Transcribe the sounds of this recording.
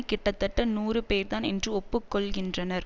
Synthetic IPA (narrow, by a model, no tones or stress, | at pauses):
kːɪʈːɐt̪ːɐʈːɐnuːrɯpeːɾt̪aːnɛndrɯɔpːɯkːɔɭɣɪndrɐnɐɾ